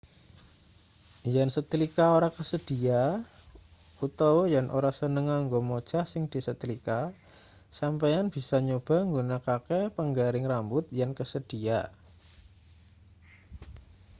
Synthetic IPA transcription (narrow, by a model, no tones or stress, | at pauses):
jansət̪ilikaoɾakəsəd̥ia | ut̪awjanʔoɾasənəŋaŋɡomod̥ʒ̥ahsɪŋd̥i̤sət̪ilika | sampajanb̥isaɲob̥a̤ŋɡunakakepəŋɡaɾɪŋrambʊt̪̚jankəsəd̥ia